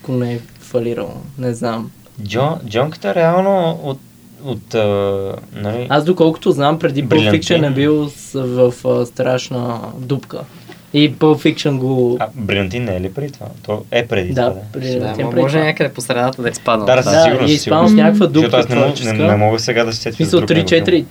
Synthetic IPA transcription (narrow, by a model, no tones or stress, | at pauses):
akonɛɛ | fɐliɾə̰lˠə̰nɛznam | d͡ʒɔd͡ʒɔŋkə̥t̪əɛɾɛalˠnoot̪ | ot̪ənɐliazd̪okɔlˠkʊ̥t̪oznampɾɛd̪ibɾlfikʃənɛbilˠsvɐfst̪ɾaʃnəd̪upkə̰ | ipəlˠfikʃənɡoabɾiɐnt̪inːɛɛlipɾɛd̪it̪va̰t̪ɔɛpɾɛd̪id̪ad̪ɛpɾiɐninpɾɛiɔʒɛɲʲakəd̪ɛposɾɛnat̪əd̪ɐispad̪əasd̪aiɡʊɾnɐispad̪əfnʲakəkvəd̪utɔk̪oasnɛmɔt͡ʃkənɛmɔɡəsɛɡad̪ɐsi̥sɛt̪ismisəlˠɾut̪ɾit͡ʃɛt̪iɾi